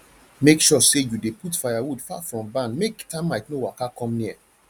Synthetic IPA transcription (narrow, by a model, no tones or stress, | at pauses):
mekʃɔsejudeputfajawudfa̰fɹɔ̃mbãnmektãɪ̃mlaɪknowakakɔ̃mnia̰